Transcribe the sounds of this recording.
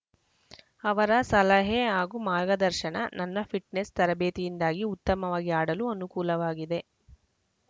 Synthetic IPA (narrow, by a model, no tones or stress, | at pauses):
ɐʋɐɾɐsɐlɐɦeɦaːɡumaːɾɡɐd̪ɐɾʃɐnɐnɐnːɐpʰiʈnest̪ɐɾɐbeːt̪ijind̪aːɡiut̪ːɐmɐʋaːɡiaːɽɐluɐnukuːlɐʋaːɡid̪e̞